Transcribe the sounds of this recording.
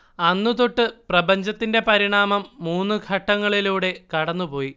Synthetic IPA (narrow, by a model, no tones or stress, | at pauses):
ɐnːut̪oʈːɨprɐbɐɲd͡ʑɐt̪ːinde̞pɐɾiɳaːmɐmːuːnːuɡʱɐʈːɐŋːɐɭiluːɽe̞kɐɽɐnːupo̞ːji